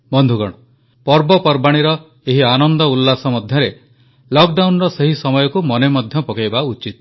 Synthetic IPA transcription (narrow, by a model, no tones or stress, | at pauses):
bɔnd̪ʱuɡɔ̰ɽ̃ɔ | pɔɾbɔpɔɾbaɽ̃iɾɔ | eɦianɔnd̪ɔulːasɔmɔd̪ʱjɔɾe | lɔk̚ɖawnɾɔseɦisɔmɔjɔkumɔnemɔd̪ʱjɔpɔkajbaut͡ʃit̪